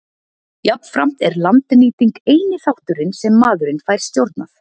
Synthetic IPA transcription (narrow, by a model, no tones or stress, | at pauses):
japnfɾam̥t̪ɛɾlant̪niːt̪iŋkeːjnɪθawht̪ʏɾɪnsɛmːaːðʏɾɪnfaːjɾ̥st̪jowɾt̪naθ